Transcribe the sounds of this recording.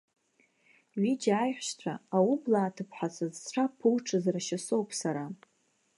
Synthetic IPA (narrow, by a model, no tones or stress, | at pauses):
ɥid͡ʒaːjħʷʃt͡sʷʰaaublaːtʰɨpʰħʷat͡sʰazʈ͡ʂʷʰapʰɨlʈ͡ʂʰɨzraʃaso̞wpʰʼsaɾa